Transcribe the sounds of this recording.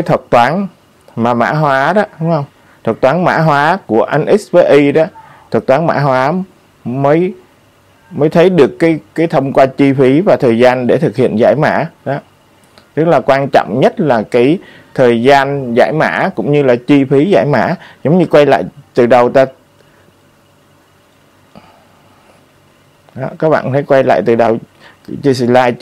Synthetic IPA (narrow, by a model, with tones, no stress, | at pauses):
aː˨˦jt̪ʰwə˨˩t̚t̪waː˨˦n | maː˨˩ma̰ː˧˥ɦwaː˨˦ɗɔ˨˦ɗʊ˨˦ŋ͡mhə˧wŋ͡m | t̪ʰwə˨˩t̚t̪waː˨˦nma̰ː˧˥ɦwaː˨˦ku˧˩əʔa˧jnʔɛ˦˥sve˧ʔi˧ɗɔ˨˦ | t̪ʰwə˨˩t̚t̪waː˨˦nma̰ː˧˥ɦwaː˨˦ | məː˨˦j | məː˨˦jt̪ʰə˨˦jɗɨ˨˩əkːaː˨˦jkːaː˨˦jt̪ʰə˧wŋ͡mkwaː˧t͡ɕi˧fi˨˦vaː˨˩t̪ʰəː˨˩jzaː˧nɗe˧˩t̪ʰɨ˨˩k̚hḭ˧˨ənza̰ː˧˩jma̰ː˧˥ɗɔ˨˦ | t̪ɨ˦˥k̚laː˨˩kwaː˧nt͡ɕɔ̰˧˨wŋ͡mɲə˦˥t̚laː˨˩kaː˨˦j | t̪ʰəː˨˩jzaː˧nza̰ː˧˩jma̰ː˧˥kʊ̰˧˥ŋ͡mɲɨ˧laː˨˩t͡ɕi˧fi˨˦za̰ː˧˩jma̰ː˧˥zə˨˦wŋ͡mɲɨ˧kwa˧jla̰ː˧˨jt̪ɨ˨˩ɗə˨˩wt̪aː˧ | ɗɔ˨˦kaː˦˥k̚ɓa̰ː˧˨nt̪ʰə˨˦jkwa˧jla̰ː˧˨jt̪ɨ˨˩ɗə˨˩w | t͡ɕi˧si˧˩laː˧j